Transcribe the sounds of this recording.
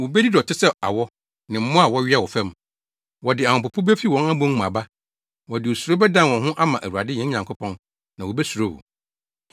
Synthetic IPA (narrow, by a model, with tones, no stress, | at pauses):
wo˨bɛ˦di˦dɔ˨tʰɪ˦sɛ˦a̰˨wɔ˦ | nɪ̃˨m̩˦mʊ̃˦a˨wɔ˦ɥɛ˦˨wɔ˨fɛ̃˦m˨ | wɔ˨dɪ˨a˨hɔ̃˨pʊ˨pʰʊ˦bɛ˦fi˦wɔ̃˦na˦bʊ̃˦ŋ˦mã̰˨ba˦ | wɔ˨dɪ˨o˨su˨ɾo˦bɛ˦dã˦nwɔ̃˨nɦʊ̃˦ʔa˦mã˨ʔæ˨wu˨ɾa˨dɪ˦jɛ̃˦ɲã˨ŋkʰʊ˦pʰɔ̃˦n | nã˨wo˨bɛ˦su˨ɾo˦hʊ̰˨